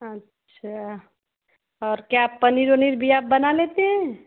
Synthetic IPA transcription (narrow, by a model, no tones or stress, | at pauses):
ətːʃʰa | ɔːɾkjappəniɾoniɾbʱijabbːənalet̪eɦɛ̃